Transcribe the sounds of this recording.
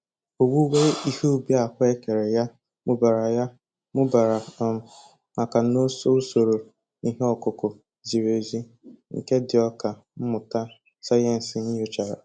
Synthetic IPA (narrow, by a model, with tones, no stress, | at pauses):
o˨ɡu˦we˦i˦hu˦u˦bja˨kʷe˦ke˨ɾe˨ja˦ | mʊ˦ba˨ɾa˨ja˦ | mʊ˦ba˨ɾa˨ | ma˨ka˨no˦so˦o˦so˨ɾo˨ | i˦ɦe˦ɔ˦˨kʊ˨kʊ˨ | zi˨ɾe˨zi˦ | ŋ̩̰˨ke˦dɪ˨ɔ˦ka˨ | m̩˦mʊ˨ta˦ | sa˦je˦n̩˨sɪ˨ɲi˦o˦t͡ʃa˨ɾa̰˨